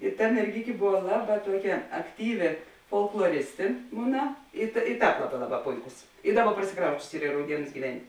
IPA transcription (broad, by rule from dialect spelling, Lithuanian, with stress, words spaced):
ɪ ˈtɐ mʲɛrʲˈɡʲɪkʲeː ˈbʊʋɐ ˈlˠɑːˌbɑː ˈtuɔˌkʲɛ ɐkˈtʲiːʋʲɪ foːlˠklˠoːˈrʲɪsʲtʲɪ ˈmʊnɐ ɪ tɐ ɪ ˈtɑːp ˈlˠɑːˌbɑː ˈlˠɑːˌbɑː ˈpoːɪˌkʊs ɪ ˈdɑːˌbɐ prɐsʲɪˈkrɐʊsʲt͡ʃʲʊs ˈiːr ɪ rɐʊˈdʲiɛnʊs ɡʲiːˈʋʲɛnʲ